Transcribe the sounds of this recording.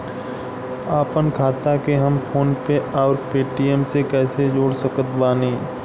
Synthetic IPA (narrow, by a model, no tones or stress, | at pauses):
aːpənkʰaːt̪akeɦəmfʰoːnpeɔːɾpeːʈijɛmsekɛːsed͡ʒoːɽsəkət̪baːniː